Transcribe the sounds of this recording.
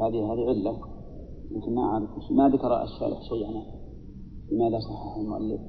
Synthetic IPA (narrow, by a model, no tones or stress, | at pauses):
haːd̪iɦaːd̪iʕɪlːa | lakɪnmaʔʕaɾɪfɪʃmad̪akɑɾˤɑ̰ʔa̰ʃːa̰ːlɪ̰ħʃijːʔana | bəmaːd̪asˤɑħːɪħalmʊʔa̰lːɪ̰f